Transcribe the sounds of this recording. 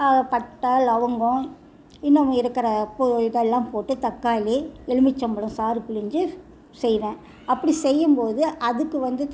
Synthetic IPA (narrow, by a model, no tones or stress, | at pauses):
aɐpɐʈːaːlɐʋɐŋɡʊ̃ | ɪnːɐ̃ɪɾɯkːɐɾɐpojɪʈɐɛlːãːmpoːʈːɯt̪ɐkːaːliɛɭɯmɪt͡ʃːɐmbɐɭʊ̃saːɾɯpɪlɪɲd͡ʒɯ | sɛjʋẽː | ɐpːɐɽisɛjːɯmpoːðɯʔɐðɯkːɯʋɐnd̪ɯ